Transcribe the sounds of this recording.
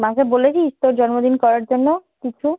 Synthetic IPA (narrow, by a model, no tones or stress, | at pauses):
mãkebolet͡ɕʰiist̪oɾd͡ʑɔɾmod̪inkɔɾaɾd͡ʑonːokit͡ɕʰu